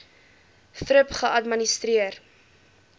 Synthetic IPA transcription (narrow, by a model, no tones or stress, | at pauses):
fɾəpχəʔɐtmənist̪ɾiər